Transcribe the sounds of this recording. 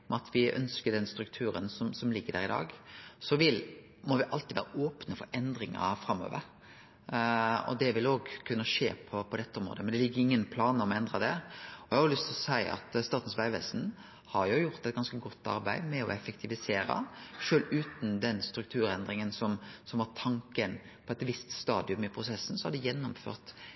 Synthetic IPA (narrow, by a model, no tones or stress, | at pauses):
mɑt̪ʰʋɪʔœ̰nskəɖ̪ɛnst̪ɾʉk̚t̪ʰʉːɾə̰nsɔmsɔmlɪɡːəd̪æ̰ɾɪd̪ɑ̰ːɡsɔʋɪl | mɔʋɪʔɑlt̪ɪːʋæ̰ːɾəʔoːpnəfɔɾʔɛnd̪ɾɪŋɑ̰fɾɑmːo̰ːʋəɾ | ɔ̰d̪ɛʋɪloːɡkʰʉnːəʂḛːpʰɔpʰɔd̪ɛt̪ːəɔmɾo̰ːd̪əmɛnd̪ɛlɪɡːəɾɪŋːənpʰlɑːnəɔmɔɛnd̪ɾɑd̪ɛɔhɑhɑɾʊlʏst̪ʰɪlɔsæɪʔɑ̰t̪st̪ɑːʁt̪n̩sʋæɪʋḛːsn̩ | hɑɾjʊjʊɾt̪ɛt̪ɡɑnskəɡɔt̪ːɑ̰ɾbæɪmɛɔ̰ɛfɛkt̪ʰɪʋɪseːɾɑ̰ʃøːlʉːt̪n̩d̪ɛnst̪ɾʉk̚t̪ʰʉːɾɛnd̪ɾɪŋənsɔmsɔmʋɑt̪ʰɑŋkən | pʰɔɛt̪ʋɪst̪st̪ɑːd̪ɪʉmɪpʰɾʊsɛsːn̩sɔhɑd̪ɪjɛnːʊmfø̰ːʁt̪